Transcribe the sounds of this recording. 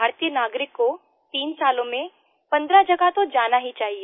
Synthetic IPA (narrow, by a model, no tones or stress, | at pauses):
bʱaːɾt̪ijənaːɡɾɪkːo | t̪iːnsaːlõmẽ | pə̃nd̪ɾad͡ʒəɡat̪od͡ʒaːnaɦit͡ʃaːɦie